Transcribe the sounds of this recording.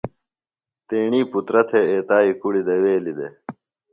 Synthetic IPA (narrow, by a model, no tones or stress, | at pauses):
t̪eːɳiːput̪ɾɐt̪ʰeeːt̪aːikuɽid̪eweːlid̪e